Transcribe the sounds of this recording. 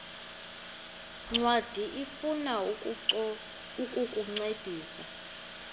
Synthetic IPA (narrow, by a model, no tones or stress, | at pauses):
ŋ͡ǀwad̥ʱiʔifuna | ukʼukʼuŋ͡ǀed̥ʱiːsa